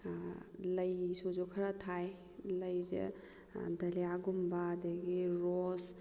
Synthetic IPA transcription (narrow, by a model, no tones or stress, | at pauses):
lɐjsozokʰɐɾatʰaj | lɐjzḛ | dɐliaɡumbadaɡiɾɔs